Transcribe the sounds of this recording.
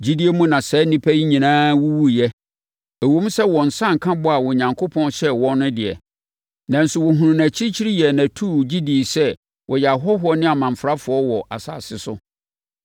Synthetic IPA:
d͡ʑi˦di˦e˦mũ˦nã˨sɛ˨˦nĩ˦pʰæ˦ji˦ɲĩ˨nãː˦wu˦wu˦jɛ˦ | æ˨wõ˦m˦sɛ˦wɔ̃˨n̩˨sã˦˨ŋ˨kʰã˦bʊ˦a˨wɔ˨ɲã˨ŋkʰo˦pʰɔ̃˦nɕɛ˦wɔ̃˦n˦nʊ̃˦dɪ˨ɛ̰˨ | nã˨n̩˨sʊ˨wɔ˨ɦũ˨nũ˨næ̃˨t͡ɕʰi˦t͡ɕʰi˦ɾi˦jɛ˨nã˨tʰu˦˨d͡ʑi˦di˨sɛ˦ | wʔɔ˨jɛ˨a˨ɦɔ˦ɦʊ˦ɔ˦nɪ̃˦a˨mã˨ɱ˨fɾa˦fʊ˨ɔ˦wɔ˨a̰˨sa̰ː˨sɪ˨sʊ̰˦

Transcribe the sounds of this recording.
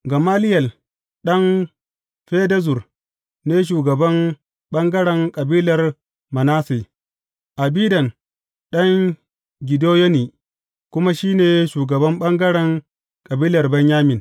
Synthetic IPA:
ɡɐ˨maː˦lɪ˦jɐ˨l | ɗɐ˦n | ɸeː˦dɐ˦zʊ˨r | neː˦ʃ̬uː˨ɡɐ˨bɐ˦m | ɓɐ˦ŋɡɐ˦ɽɛ˨ŋkʼɐ˨biː˦lɐ˨r | mɐ˨naː˦si˨ | ʔa˨biː˦dɐ˨n | ɗɐ˦ŋ | ɡʲɪ˨doː˦jɐ˦niː˨ | kʷʊ˦ma˦ʃiː˦neː˨ʃuː˨ɡɐ˨bɐ˦mɓɐ˦ŋɡɐ˦ɽɛ˨ŋ | kʼɐ˨biː˦lɐ˨rbɐ˦ɲjaː˦mɪ˨n

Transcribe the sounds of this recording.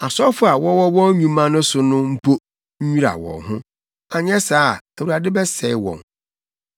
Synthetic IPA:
a˨sɔ˦fʊ˦a˨wɔ̃˦wɔ˦wɔ̃˦ɲũ˦mã˦nʊ̃˦sʊ˨nʊ̃˦m̩˦pʰo˦ | ɲ̩˦ɲũ˦ɾa̰˨wɔ̰̃˨ɦʊ̃˦ | a˨ɲɛ̃˦saː˦˨æ˨wu˨ɾa˨dɪ˦bɛ˦sɛ˨˦wɔ̰̃˨ŋ

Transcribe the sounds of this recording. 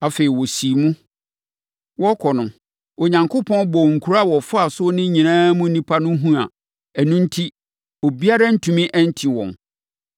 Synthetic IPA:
a˨fe˨i˨wɔ˨si˨mũ˦ | wɔ˦kʰɔ˨nʊ̃˨ | o˨ɲã˨ŋkʰʊ˦pʰɔ̃˦nbɔ˨ŋ̩˨kʰu˨ɾa˦˨wɔ˨fa˨sʊ˦nɪ̃˦ɲĩ˨nãː˦mũ˦nĩ˦pʰa˦nʊ̃˦ɦũ˦a̰˨ | ɛ˨nũ˦n̩˦tʰi˦ | o˨bi˦a˦ɾa˦n̩˦tʰũ˨mĩ˦ʔɛ˦n̩˦tʰi˨wɔ̰̃˨n

